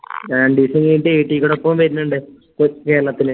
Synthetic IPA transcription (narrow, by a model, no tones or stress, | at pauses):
ɾaːɳɖiːsɐŋɡiːʈːɨeːʈːikːoɽopːomʋɐɾinːuɳɖɨ | kke̞ːlːɐt̪ːinɨ